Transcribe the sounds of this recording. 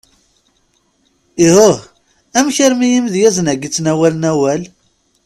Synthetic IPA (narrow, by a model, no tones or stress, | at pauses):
ihʊh | æmçəɾmijimðjæzənæɡit͡sːnæwælənæwæl